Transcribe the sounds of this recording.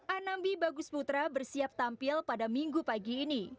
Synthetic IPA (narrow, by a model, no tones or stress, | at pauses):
ʔanambibaɡʊsput̪ɾabərsiap̚t̪ampɪlpadamiŋɡupaɡiːni